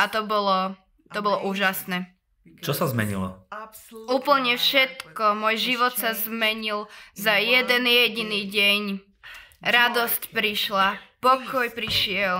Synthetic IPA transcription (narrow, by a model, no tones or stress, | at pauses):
at̪ɔbɔlɔ | t̪ɔbɔlɔʔuːʒasnɛː | t͡ʃɔsazmɛ̰ɲḭlɔ̰ | uːpl̩ɲɛfʃɛt̪kɔmɔjʒiʋɔt̪sazmɛɲilzajɛd̪ɛnjɛɟiniːɟɛɲ | ɾad̪ɔscpɾiʃlapɔkʰɔjpɾiʃɪɛl